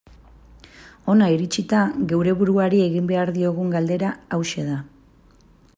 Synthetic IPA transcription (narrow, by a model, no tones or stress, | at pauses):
o̞naiɾit͡ʃit̪aɣe̞wɾe̞βuɾuaɾie̞ɣimbe̞aɾðio̞ɣ̞uŋɡald̪e̞ɾaawʃeða